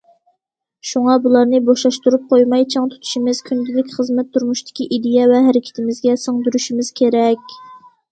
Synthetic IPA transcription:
ʃuŋɑbulˠɑɾnɨboʃlɑʃt̪uɾup̚qʰojmɑjt͡ʃʰɑŋt̪ʰu̥t̪ʰu̥ʃimɪz̥kʲʰynd̪ʲɪlɪkʲχəzmɛt̪ʰːuɾmuʃt̪ʰɪ̥kʲiʔid̪ɪjɛvɛɦæɾɪkʲʰɪ̥t̪ʰɪmɪzɡʲɛsoŋd̪yɾyʃimɪz̥kʲʰeɾɛkʲ

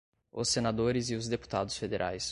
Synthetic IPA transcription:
ʊ̰senad̪oɾɪzɪʊzd̪epu̥t̪ad̪ʊsfed̪eɾʔa̰js

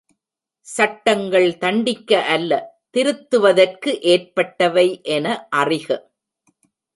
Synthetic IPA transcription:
sɐʈːɐŋɡɐɭt̪ɐɳɖɪkːɐʔɐlːɐt̪ɪɾɯt̪ːɯʋɐðɐrkɯʔeːrpɐʈːɐʋɐɪʔɛnɐʔɐrɪɣɐ

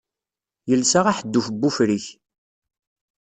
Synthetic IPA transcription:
jəlsaʁaħəd̪ːufəbːufɾiç

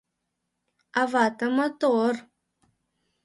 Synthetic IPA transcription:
avaːtɐmɐt̪or

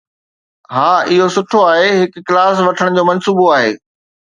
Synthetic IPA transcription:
ɦaːʔɪɦosʊʈʰoaːɦeɦɪkːlaːs̬ʋɐʈʰəɽ̃d͡ʑoːmɐnsuːboaːɦḛː

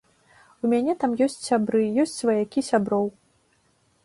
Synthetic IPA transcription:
umʲanʲɛt̪amjɔsʲt͡sʲsʲabɾɨjɔsʲt͡sʲvɐjakʲisʲabɾɔw

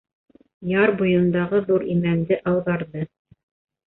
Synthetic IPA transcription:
jɑɾbŭjɤ̆nd̪ɑʁɤðuɾimænd̪ɘʔɑwðɑɾðɤ

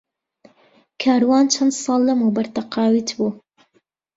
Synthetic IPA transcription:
kʰaːɾwaːnt͡ʃʰɐnd̪sˤɑːlˠːɐmuːbɐɾt̪ʰɐqɑːwiːt̪buː

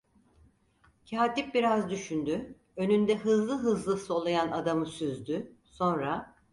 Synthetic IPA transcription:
cʰaːt̪ip̚biɾazd̪yʃynd̪y | ø̞nynd̪ɛɦɯzlˠɯɦɯzlˠɯso̞lˠajanad̪amɯsyzd̪yso̞nɾa

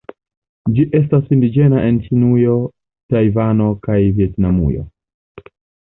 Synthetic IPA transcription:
d͡ʒiʔe̞s̬tasindid͡ʒe̞naʔent͡ʃinujo̞ | tajvano̞kajvie̞tnamṵjo̞̰

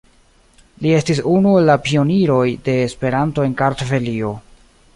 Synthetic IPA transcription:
lie̞stisunuelːapio̞niɾo̞jde̞ːspe̞ɾanto̞e̞nkaɾtove̞lio̞

